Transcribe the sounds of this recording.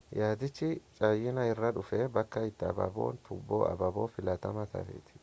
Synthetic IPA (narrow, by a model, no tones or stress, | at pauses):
jaːd̪ɪt͡ʃːɪt͡ʃʼɐjɪnɐɪrːɐᶑʊfɛbɐkːɐɪt̪ːɛɐ̰bɐ̰bo̰ːnt̪ʊbːo̰ːɐ̰bɐboːfɪlɐt̪ɐmɐt̪ɐ̰fḛːt̪ʰɪ̥